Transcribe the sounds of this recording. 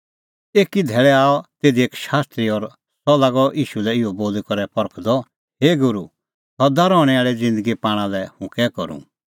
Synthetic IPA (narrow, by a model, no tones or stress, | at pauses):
eːkid̪ʱɛːɭɛaːɔt̪eːd̪ieːkʃaːst̪ɾiɔɾ | sɔlaːɡɔʔiːʃulɛɪɔboːlikɔɾɛpɔɾəkʰd̪ɔ | ɦeːɡʊɾu | sɔd̪aɾɔːɽ̃ɛaːɭɛd͡zɪ̃nd̪əɡipaːɽ̃ãlɛhʊ̃kɛkɔɾṵ̃